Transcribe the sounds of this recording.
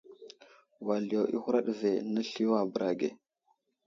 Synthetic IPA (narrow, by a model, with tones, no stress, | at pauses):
wa˨li˨ja˨wḭ˦hu˦ɾa˦ɗve˨na˦ɬi˦o˦a˨bə˨ɾa˨ɡḛ˨